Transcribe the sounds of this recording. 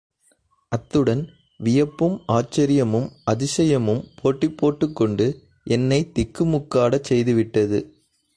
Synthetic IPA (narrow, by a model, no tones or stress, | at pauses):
ʔɐt̪ːɯɽɐn | ʋɪjɐpːɯmaːt͡ʃːɐɾɪjɐmɯmɐðɪsɐjɐmɯmpʰoːʈːɪpːoːʈːɯkːɔɳɖɯ | ʔɛnːɐɪt̪ɪkːɯmʊkːaːɽɐt͡ʃɛjðɯʋɪʈːɐðɯ